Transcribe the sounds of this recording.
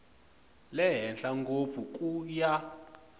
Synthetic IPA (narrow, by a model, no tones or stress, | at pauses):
lɛɦɛnɬaŋɡop̪fuk̬ʼuja